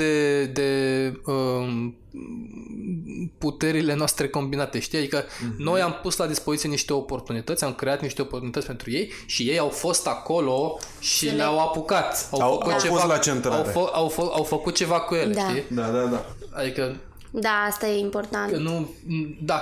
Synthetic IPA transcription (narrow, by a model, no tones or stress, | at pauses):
ed̪e̞ə | put̪e̞ɾile̞noast̪ɾe̞ko̞mbinat̪e̞ʃt̪iad̪ikəno̞jampuslad̪ispo̞zit̪sieniʃt̪e̞o̞po̞rt̪unit̪ət̪sʲamkɾe̞at̪niʃt̪e̞oport̪unit̪ətsʲpe̞nt̪ɾuje̞j | ʃije̞jawfo̞st̪ako̞lo̞ | ʃileawapukat̪awfəkut̪t͡ʃealat͡ʃent̪ɾaawfoawfawfəkut̪̚t͡ʃe̞vakuje̞leʃt̪id̪ad̪ad̪aad̪ikə | d̪aast̪ajeimport̪annu | d̪a